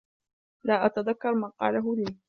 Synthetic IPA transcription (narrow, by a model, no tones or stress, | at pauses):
laːʔat̪aðakːɑɾˤmaːqɑ̰ːlaɦʊliː